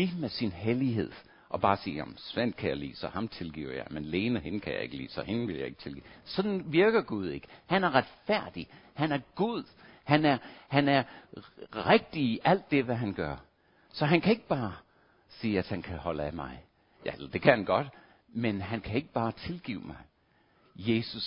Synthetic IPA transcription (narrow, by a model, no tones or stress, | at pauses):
liːmesinɦeliɦe̝ð̞̰ˠ | ʔɒ̽b̥ɑ̈ːsiːjæ̰mm̩sʋen̰d̥̚kʰæjɑɪlḭːsɒ̽hɑ̈mt͡sʰe̝lɡ̥ḭʊɐ̰jɑ̈ɪmenle̝ːnəhe̝nkʰæjɑ̈e̝ɡ̥əlḭːsɒ̽he̝nʋe̝ljɑ̈e̝ɡ̥t͡sʰe̝lɡ̥ḭsɒ̽d̥n̩ʋiɐɡ̥ɐɡ̥uð̞ˠe̝ɡ̥ə̥hænæɐʁɑd̥fæɐ̰d̥ihænæɐɡ̥uð̰ˠ | hænæɐhænæɐ | ʁeɡ̥̚d̥iiʔæl̰d̥ːe̝ʋæɦænɡ̥ɶɐ | sɒ̽ɦænkʰæe̝ɡ̥əb̥ɑ̈ː | siːɐæd̥hænkʰæhɒ̽læmɑ̈ɪ | jæ̰lɐd̥e̝kʰæhænɡ̥ɒ̽d̥ | menɦænkʰæe̝ɡ̥əb̥ɑ̈ːt͡sʰe̝lɡ̥ḭːʊ̰mɑ̈ɪ | je̝ːsus